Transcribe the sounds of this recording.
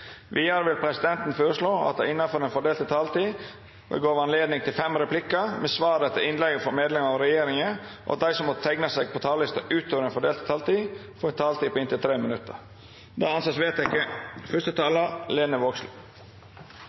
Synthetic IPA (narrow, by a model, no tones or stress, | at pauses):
ʋiːɑɾəʋɪlpʰɾɛsɪd̪ɛnt̪n̩føːɾəʂɭoːɑ̰t̪̚d̪æɪɪnːɑfɔɾɛːnfɔɖeːlt̪ɪt̪ʰɑːlt̪iː | bə̰ɡoːʋɑnleːd̪nɪŋt̪ʰɪlfɛmɾɛpʰlɪkːəmɛsʋɑːɾət̪ʰɪlɪnlɛɡəfɔɾmeːd̪lɛmɑʋɾɛjeːɾɪŋəʔɔ̰ʔɑ̰t̪̚d̪æɪsɔmːot̪ʰɛɡnɑsæɡ̚pʰɔt̪ʰɑːllɪst̪ɑʔʉːt̪oːʋəɾɛnfɔɖeːlt̪t̪ʰɑːlt̪iː | fɔɾɛnt̪ʰɑːlt̪iːpʰɔɪnt̪ɪlt̪ʰɾeːmənʉt̪ːəɾ | d̪ɑːɑnsɑsʋeːt̪ɛkːəfœʂt̪ət̪ʰɑːləleːnəʋoːksl